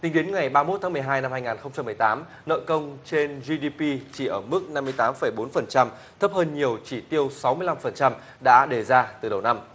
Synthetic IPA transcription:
t̪ï˨˦ŋ̟ɗe˨˦nŋa˨˩jɓaː˧mo˦˥t̪ʰːmɨ˨˩əjɦaː˧jna˧mhaː˧jŋaː˨˩nxə˧ŋ͡mt͡ɕa˧mːɨ˨˩əjt̪aː˨˦m | nə̰ː˧˨jkə˧wŋ͡mt͡ɕe˧nzi˧ɗi˧pi˧t͡ɕi˧˩ʔəː˧˩mɨ˦˥k̚na˧mːɨ˧jt̪aː˨˦mfə˧˩jɓo˨˦nfə˨˩nt͡ɕa˧m | t̪ʰə˦˥p̚həː˧nɲi˨˩əwt͡ɕi˧˩t̪i˧əwsa˨˦wmɨ˧əjla˧mfə˨˩nt͡ɕa˧m | ɗa̰ː˧˥ɗe˨˩zaː˧t̪ɨ˨˩ɗə˨˩wna˧m

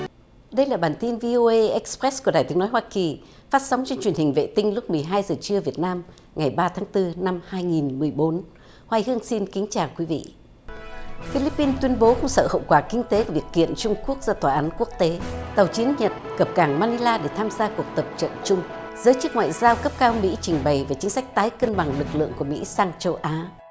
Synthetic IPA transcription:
ɗə˧jlaː˨˩ɓaː˨˩nt̪i˧nvi˧ʔo˧ʔə˧ʔɛ˦˥k̚spɾɛ˦˥sku˧˩əɗaː˨˩t̪ɨ˦ənɔ˨˦jhwaː˧ki˨˩ | faː˦˥t̚sa˨˦ŋ͡mt͡ɕɔ˧ŋt͡ɕwi˨˩ənhï˨˩ŋ̟vḛ˧˨t̪ï˧ŋ̟lʊ˦˥k͡p̚mɨ˨˩əjɦaː˧jzəː˨˩t͡ɕɨ˧əvi˨˩ət̚naː˧m | ŋa˨˩jɓaː˧t̪ʰaː˨˦ŋt̪ɨ˧na˧mhaː˧jŋi˨˩nmɨ˨˩əjɓo˨˦n | hwaː˧jhɨ˧əŋsi˧nkï˨˦ŋ̟t͡ɕaː˨˩wkwi˨˦vḭ˧˨ | fi˧li˦˥pːi˧nt̪wi˧ənɓo˨˦kʊ˧ŋ͡msə̰ː˧˨hə̰˧˨wkwaː˧˩kï˧ŋ̟t̪e˨˦ku˧˩vi˨˩ək̚ːḭ˧˨ənt͡ɕʊ˧ŋ͡mku˦˥ək̚zaː˧t̪waː˨˩ʔaː˨˦nku˦˥ək̚t̪e˨˦t̪ə˨˩wt͡ɕi˨˦ənɲə˨˩t̚kə˨˩p̚kaː˧˩ŋmaː˧ni˧laː˧ɗe˧˩t̪ʰaː˧mzaː˧ku˨˩ək̚t̪ə˨˩p̚t͡ɕə̰˧˨nt͡ɕʊ˧ŋ͡m | zəː˨˦jt͡ɕɨ˦˥k̚ŋwa̰ː˧˨jzaː˧wkə˦˥p̚kaː˧wmḭ˧˥t͡ɕï˨˩ŋ̟ɓə˨˩jvaː˨˩t͡ɕï˨˦ŋ̟sa˦˥jk̚t̪aː˨˦jkə˧nɓa˨˩ŋlɨ˨˩k̚lɨ̰˧˨əŋku˧˩əmḭ˧˥saː˧ŋt͡ɕə˧wʔaː˨˦

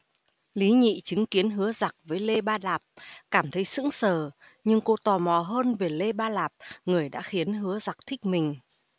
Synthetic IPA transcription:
li˨˦ɲḭ˧˨t͡ɕɨ˨˦ŋki˨˦ənɦɨ˨˦əza˨˩k̚vəː˨˦jle˧ɓaː˧laː˨˩p̚kaː˧˩mt̪ʰə˨˦jsɨ̰˧˥ŋsəː˧˩ | ɲɨ˧ŋko˧t̪ɔ˨˩mɔ˨˩ɦəː˧nve˨˩le˧ɓaː˧laː˨˩p̚ŋɨ˨˩əjɗa̰ː˧˥xi˨˦ənɦɨ˨˦əza˨˩k̚t̪ʰï˦˥k̟̚mï˨˩ŋ̟

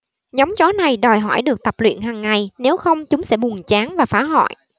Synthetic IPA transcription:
ɲɔ˨˦wŋ͡mt͡ɕɔ˨˦na˨˩jɗɔ˨˩jɦɔ̰˧˩jɗɨ˨˩ək̚t̪ə˨˩p̚lwḭ˧˨ənɦaː˨˩ŋːa˨˩jne˨˦wxə˧wŋ͡mt͡ɕʊ˨˦ŋ͡msɛ̰˧˥ɓʊ˨˩ŋt͡ɕaː˨˦nvaː˨˩faː˨˦ɦɔ̰˧˨j

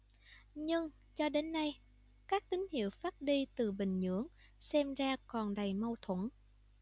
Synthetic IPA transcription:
ɲɨ˧ŋ | t͡ɕɔ˧ɗe˨˦nːa˧j | kaː˦˥k̚t̪ï˨˦ŋ̟hḭ˧˨əwfaː˦˥t̚ɗi˧t̪ɨ˨˩ɓï˨˩ŋ̟ɲɨ̰˧˥əŋ | sɛ˧mzaː˧kɔ˨˩nɗa˨˩jmə˧wt̪ʰwə˧˩n

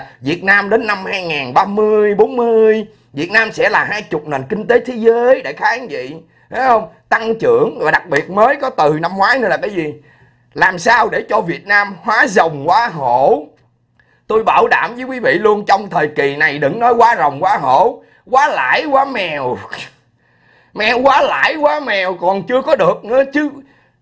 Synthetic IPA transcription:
vi˨˩ət̚naː˧mɗe˨˦nːa˧mhaː˧jŋaː˨˩nɓaː˧mɨ˧əjɓo˨˦nmɨ˧əəj | vi˨˩ət̚naː˧msɛ̰˧˥laː˨˩ɦaː˧jt͡ɕʊ˨˩k͡p̚ne˨˩nkï˧ŋ̟t̪e˨˦t̪ʰe˨˦zəː˨˦jɗe˧˩xaː˨˦˨nvḭ˧˨ | ha˨˦jhə˧wŋ͡mt̪a˧ŋt͡ɕɨ̰˧˩˨əŋvaː˨˩ɗa˨˩k̚ɓi˨˩ət̚məː˨˦jkɔ˨˦t̪ɨ˨˩na˧mːŋwaː˨˦jn˧laː˨˩kaː˨˦jzi˨˩ | laː˨˩msaː˧wɗe˧˩t͡ɕɔ˧vi˨˩ət̚naː˧mhwaː˨˦zə˨˩wŋ͡mkwaː˨˦ɦo̰˧˨ | t̪o˧jɓaː˧˩wɗa̰ː˧˩mvɨː˨˦kwi˨˦vḭ˧˨lu˧ənt͡ɕɔ˧wŋ͡mt̪ʰəː˨˩jki˨˩na˨˩jɗɨ̰˧˩˥ŋnɔ˨˦jkwaː˨˦zə˨˩wŋ͡mkwaː˨˦ɦo̰˧˩˥ | kwaː˨˦la̰ː˧˥jkwaː˨˦mɛ˨˩w | mɛ˨˩wkwaː˨˦la̰ː˧˥jkwaː˨˦mɛ˨˩wkɔ˨˩nt͡ɕɨ˧əkɔ˨˦ɗɨ˨˩ək̚nɨ̰˧˥ə˦t͡ɕɨ˨˦

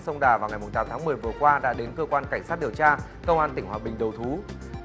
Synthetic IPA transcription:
sə˧wŋ͡mɗaː˨˩vaː˨˩wŋa˨˩jmʊ˨˩ŋ͡mt̪aː˨˦mt̪ʰːmɨ˨˩əjvɨ˨˩əkwaː˧ɗa̰ː˧˥ɗe˨˦nkəː˧kwaː˧nka˧˩ŋ̟sa˦˥t̚ɗi˨˩əwt͡ɕaː˧ | kə˧wŋ͡mʔaː˧nt̪ï˧˩ŋhwaː˨˩ɓï˨˩ŋ̟ɗə˨˩wt̪ʰu˨˦

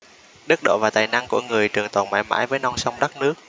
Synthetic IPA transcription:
ɗɨ˦˥k̚ɗo̰˧˨vaː˨˩t̪aː˨˩jna˧ŋkṵ˧˩əŋɨ˨˩əjt͡ɕɨ˨˩əŋt̪ə˨˧˩wŋ͡mmaː˨˦jma̰ː˧˥˦jvəː˨˦jnɔ˧wŋ͡msa˧wŋ͡mɗa˦˥k̚nɨ˦˥ək̚

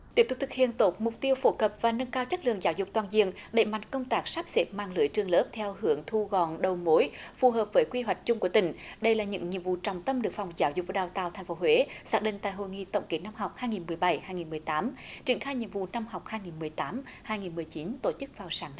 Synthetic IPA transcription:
t̪i˦˥p̚t̪̚t̪ʰɨ˨˩k̚hḭ˧˨ənt̪o˨˦˩t̚mʊ˨˩k͡p̚t̪i˧əwfo˨˦kə˨˩p̚vaː˨˩nə˧nkaː˧wt͡ɕə˦˥lɨ̰˧˨əŋzaː˨˦wzʊ˨˩k͡p̚t̪waː˨˩nzi˧əŋɗe˧˩ma̰˧˨jŋ̟kə˧wŋ͡mt̪aː˦˥k̚saː˦˥p̚se˨˦˥p̚maː˧˨ŋlɨ̰˨˧˦əjt͡ɕɨ˧əŋləː˦˥p̚t̪ʰɛ˧whɨ˨˩˦əŋt̪ʰu˧ɣɔ˧˨˩nɗə˨˩wmo˨˦jfu˨˩ɦəː˨˩p̚vəː˨˦jkwi˧ɦwa˨˩jk̟̚t͡ɕʊ˧ŋ͡mku˧˩ət̪ï˧˩ŋ̟ɗə˧jlaː˨˩ɲɨ̰˧˥ŋɲḭ˧˨vṵ˧˨t͡ɕɔ˨˩wŋ͡mt̪ə˧mɗɨ˨˩ək̚fa˨˩wŋ͡mzaː˨˦wzʊ˨˩k̚vːɗaː˨˩wt̪aː˧˨wt̪ʰa˨˩jŋ̟fo˨˦ɦwe˨˦saː˦˥k̚ɗḭ˧˨ŋ̟t̪a̰ː˧˨jɦo̰˧˨jŋḭ˧˨t̪ə̰˧˩wŋ͡mke˨˦na˧mɦa˨˩wk͡p̚haː˧jŋi˨˩nmɨ˨˩əjɓa˧˩jhaː˧jŋi˨˩mɨ˨˩əjt̪aː˨˦mt͡ɕi˨˩ənxaː˧jɲḭ˧˨əmvṵ˧˨na˧mha˨˩wk͡p̚haː˧jŋi˨˩nmɨ˨˩əjt̪aː˨˦mhaː˧jŋi˨˩nmɨ˨˩əjt͡ɕi˨˦nt̪o˧˩t͡ɕɨ˦˥k̚vaː˨˩wsaː˨˦ŋ

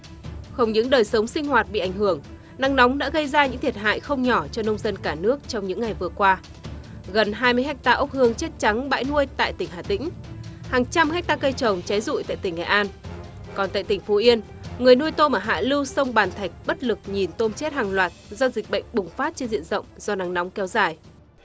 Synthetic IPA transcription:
xə˧wŋ͡mɲɨ̰˧˥ŋɗəː˨˩jsə˨˦wŋ͡msï˧ŋ̟ɦwaː˨˩t̚ɓḭ˧˨ʔa˧˩jŋ̟ɦɨ˧˩əŋ | na˨˦ŋnɔ˨˦wŋ͡mɗa̰ː˧˥ɣə˧jzaː˧ɲɨ̰˧˥ŋt̪ʰi˨˩ət̚ɦa̰ː˧˨jxə˧wŋ͡mɲɔ˧˩t͡ɕɔ˧nə˧wŋ͡mzə˧nkaː˧˩nɨ˦˥ək̚t͡ɕɔ˧wŋ͡mɲɨ̰˧˥ŋːa˨˩jvɨ˨˩əkwaː˧ | ɣə˨˩nɦaː˧jmɨ˧jɦɛ˦˥k̚t̪aː˧ʔə˦˥p̚hɨ˧əŋt͡ɕe˦˥t̚t͡ɕa˨˦ŋɓa̰ː˧˥jnu˧əjt̪a̰ː˧˨jt̪ï˧˩ŋ̟ɦaː˨˩t̪ḭ˧˥ŋ̟haː˨˩ŋt͡ɕa˧mhɛ˦˥k̚t̪aː˧kə˧jt͡ɕə˨˩wŋ͡mt͡ɕa˨˦jzṵ˧˨jt̪a̰ː˧˨jt̪ï˧˩ŋːŋɛ̰˨˩ʔaː˧n | kɔ˨˩nt̪a̰ː˧˨jt̪ï˩ŋ̟fo˨˦ʔi˧ən | ŋɨ˨˩əjnu˧əjt̪o˧maː˨˩ɦa̰ː˧˨lɨ˧wsə˧wŋ͡mɓaː˨˩nt̪ʰa˨˩k̟̚ɓə˦˥t̚lɨ˨˩k̚ɲi˨˩nt̪o˧mt͡ɕe˦˥t̚haː˨˩ŋlwaː˨˩t̚zɔ˧zi˨˩k̟̚ɓə̰˧˨jŋ̟ɓʊ˨˩ŋ͡mfaː˦˥t̚t͡ɕe˧nzḭ˧˨ənzə̰˧˨wŋ͡mz̥ɔ˧na˨˦ŋnɔ˨˦wŋ͡mkɛ˨˦wzaː˨˩j

